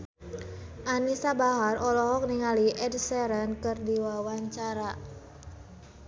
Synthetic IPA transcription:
ʔanisabaɦarɔlɔɦɔk̚niŋaliʔɛdsɛɾənkərdiwawaɲt͡ʃaɾa

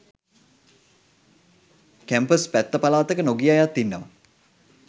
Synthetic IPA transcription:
kæmpəspæt̪ːəpalaːt̪əkənoɡijajat̪ːinːəʋə

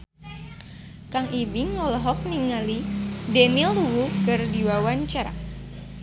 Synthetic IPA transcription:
kaŋibiŋɔlɔɦɔk̚niŋalidɛniluwukərdiwawaɲt͡ʃaɾa̰

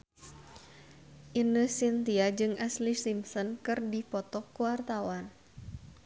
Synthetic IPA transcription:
ʔinəsint̪iad͡ʒɨŋʔɛslisimsɔnkɨrdipɔt̪ɔkːuwart̪awan

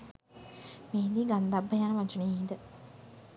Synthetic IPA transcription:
miɦind̪iːɡand̪abːəjaːnəʋat͡ʃuniːɦid̪ə

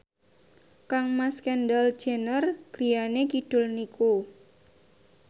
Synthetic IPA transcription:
kaŋmaskɛndal̥d͡ʒ̥e̤nərɡ̥ɾijanekiɖ̥ʊ̤lniko

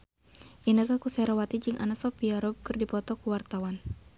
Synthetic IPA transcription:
ʔinakakusɛɾawat̪id͡ʒɨŋʔa̰nasɔpiaɾɔb̚kɨrdipɔt̪ɔkuwart̪awan

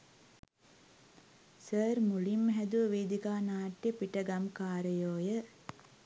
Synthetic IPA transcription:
səːɾmulimːəɦæd̪uʋəʋeːd̪ikaːnaːʈːjəpiʈəɡɐmkaːɾəjoːjə

